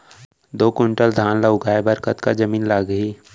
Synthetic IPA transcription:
d̪oːkʊɳʈəld̪ʱaːnləʊɡaːebəɾkət̪kad͡ʒəmiːnlaːɡɦiː

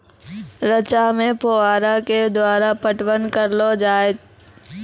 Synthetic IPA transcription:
ɾət͡ʃamẽpoaːɾaked̪waːɾapəʈʋənkəɾlod͡ʒaːet̪

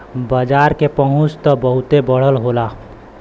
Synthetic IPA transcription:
bəd͡ʒaɾkepəɦũt͡ʃt̪ɔbəɦut̪ebəɽ̤əlɦola

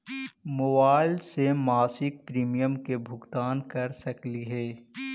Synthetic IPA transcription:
moːbaːɪlsemaːsɪk̚pɾiːmijəmkebʱʊɡt̪aːnkɐɾsɐkliɦɛː

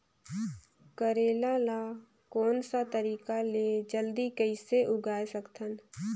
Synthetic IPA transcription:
kəɾeːlala | kɔːnsat̪əɾiːkaled͡ʒəld̪ikəɪseʔʊɡaːjsəkt̪ʰən

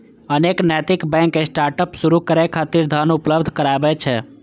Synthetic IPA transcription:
əneknɛt̪ikbɛ̃ŋkesʈaɾʈəpsuɾukəɾɛkʰat̪iɾd̪ʱanupləbd̪ʱkəɾaebɛt͡ʃʰɛ

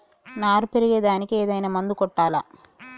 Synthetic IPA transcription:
naːɾupeɾiɡeːd̪aːnikieːd̪ɐjnaːmɐnd̪ukɔʈːaːla

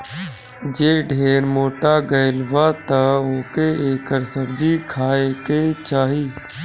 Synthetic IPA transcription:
d͡ʒeːɖʱeːɾmoːʈaɡəɪlwat̪aoːkeeːkəɾsəɾd͡ʒikʰaːeket͡ʃaːɦiː

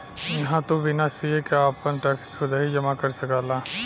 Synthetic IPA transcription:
jɐɦãt̪obɪnasiekaaːpənʈɛːkskʰʊd̪aːɦid͡ʒɐmakɐɾsɐkaːla

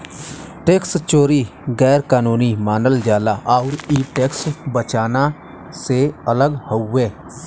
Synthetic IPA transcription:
ʈeːkst͡ʃoːɾiɡɛːɾkaːnoːnimaːnəld͡ʒjaːlaːʔɔʊɾiːʈeːksbət͡ʃaːna | seələɡhoueː

